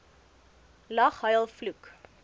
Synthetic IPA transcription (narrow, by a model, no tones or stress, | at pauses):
lɐχɦɐjəlˠfluk